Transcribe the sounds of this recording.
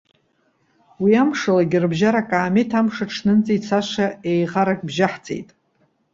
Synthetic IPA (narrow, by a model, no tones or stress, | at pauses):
wiamʂalaɡʲɪrbʒaɾakʼaːmetʰamʂaʈ͡ʂʰnɨnt͡sʼit͡sʰaʃaejʁaɾakʼbʒaħt͡sʼḛjtʼ